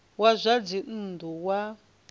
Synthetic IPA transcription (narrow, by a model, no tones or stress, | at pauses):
wazʷad͡zin̩nduwa